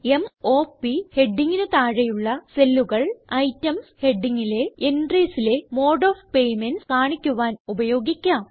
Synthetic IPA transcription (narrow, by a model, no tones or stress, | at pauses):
e̞mo̞ːpːihe̞ɖːiŋːinet̪aːɻejuɭːɐselːuɣɐɭɐjtːɐmshe̞ɖːiŋːile̞enɖriːsile̞mo̞ːɖoːfpe̞jmenskaːɳikʲːuʋaːnubɐjo̞ːɡikʲːɐ